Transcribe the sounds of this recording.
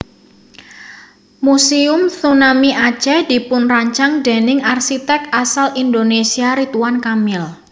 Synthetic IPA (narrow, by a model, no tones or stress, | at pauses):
museʊmθunamiʔḁt͡ʃɛd̥i̤pʊnraɲt͡ʃaŋde̤nɪŋarsit̪ɛkasalind̪onesiaɾit̪uwankamɪl